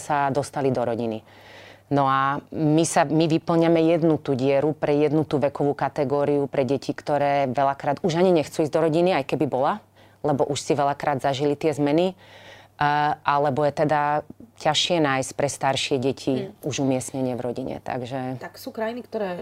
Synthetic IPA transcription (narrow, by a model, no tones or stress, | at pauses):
sad̪ɔst̪alid̪ɔɾɔɟini | nɔamisamiʋipl̩ɲamɛjɛd̪nut̪uːɟɪɛɾupɾɛjɛd̪nut̪uːʋɛkɔʋuːkat̪ɛɡɔːɾiupɾɛɟɛcikt̪ɔɾɛːʋɛlakɾaːd̪uʒaɲiɲɛxt͡suːizd̪ɔɾɔɟiniajkɛbibɔla | lɛbɔʔuʃsiʋɛlakɾaːd̪zaʒilit̪ɪɛzmɛni | ʔalɛbɔjɛt̪ɛd̪acaʃɪɛnaːjsc̚pɾɛst̪aɾʃɪɛɟɛcʰiuʒumɪɛsɲɛɲɪɛvɾɔɟiɲɛ̰t̪a̰ɡʒɛt̪aksuːkɾajinikt̪ɔɾɛː